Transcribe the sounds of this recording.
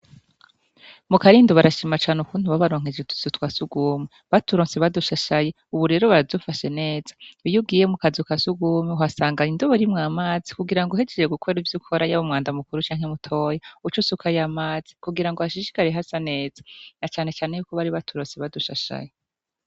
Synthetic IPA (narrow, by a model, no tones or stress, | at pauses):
mukaɾiːndoβaɾaʃimat͡ʃaːnukuːntuβaβaɾo̞ːŋ̥ed͡ʒetu̥sutwasuɡuːmi | βatuɾoːnseβaduʃaʃaje̞ | uβuɾe̞ːɾo̞βaɾavdufaʃe̞ne̞ːz̥ḁujub̚ɡiːjemukazukasuɡuːmiuhasaːŋɡaindoβoɾimŋaːmaːzikuɡiɾaŋɡoɦe̞d͡ʒeɾeɡukʰoivjukʰoɾajaβomŋaːndamukuɾut͡ʃaːŋ̥hemutʰo̞ːjaut͡ʃusukajamaːz̥ikuɡiɾaŋɡoaʃiʃi̥kaɾeɦasane̞ːzanat͡ʃaːne̞t͡ʃaːne̞juːkoβaɾiβatʰuɾoːnseβaduʃaʃa̰je